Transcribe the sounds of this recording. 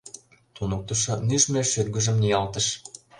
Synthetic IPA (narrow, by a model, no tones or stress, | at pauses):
t̪unok̚t̪ə̆ʃɤ̆nyʃmeʃyt̪̚ɡə̆ʒə̆mnijɑlt̪ə̆ʃ